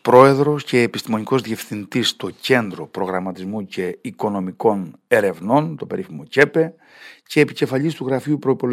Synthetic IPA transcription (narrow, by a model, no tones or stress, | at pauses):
pɾo̞e̞ðɾo̞sce̞ːpi̥st̪imo̞niko̞zðie̞fθind̪ist̪o̞ce̞nd̪ɾo̞pɾo̞ɣɾɐmɐt̪izmuce̞iko̞no̞miko̞ne̞ɾe̞vno̞nt̪o̞pe̞ɾʔifimo̞ce̞pe̞ | ce̞ːpice̞fɐʎist̪uɣɾɐfiupɾo̞ipo̞l